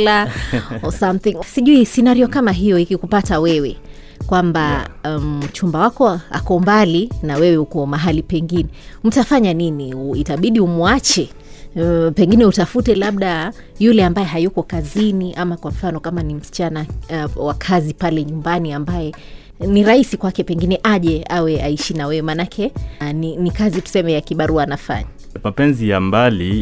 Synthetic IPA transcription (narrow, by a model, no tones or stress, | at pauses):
laɔsamθiŋsiʄuisɛnaɾiɔkamaɦijɔikikupatawɛwɛ | kwamba | m̩t͡ʃumbawakɔa̰kɔmbalinawɛwɛukɔmaɦalipɛŋɡinɛm̩tafaɲaniniitaɓiɗiumuat͡ʃɛ | pɛŋɡinɛutafutɛlaɓɗa | julɛambajɛɦajukɔkaziniʔamakwam̩fanɔkamanim̩si̥t͡ʃanawakʰazipalɛɲumbaniambajɛ | niɾahisikwakɛpɛŋɡinɛʔaʄɛawɛaiʃinawɛwɛmanakʰɛninikazitu̥sɛmɛjakiɓaɾuanafa̰ɲa | mapɛnzijambali